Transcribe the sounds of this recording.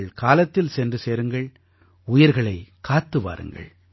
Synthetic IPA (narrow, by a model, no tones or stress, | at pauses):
ɭkaːlɐt̪ːɪlsɛndrɯseːɾɯŋɡɐɭ | ʊjɪɾɣɐɭɐɪkaːt̪ːɯʋa̰ːɾɯ̰ŋɡɐ̰ɭ